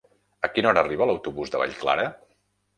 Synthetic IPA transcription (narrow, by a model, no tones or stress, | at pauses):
əkinɔɾəːriβələwt̪uβuzd̪əβa̰ʎkla̰ɾə